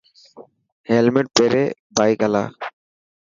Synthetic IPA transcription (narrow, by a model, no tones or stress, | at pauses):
helmeʈ̚peɾebajkɛla̰